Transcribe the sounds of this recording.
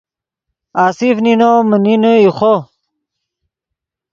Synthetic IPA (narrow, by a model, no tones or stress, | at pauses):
aːsifninoməninoixʰo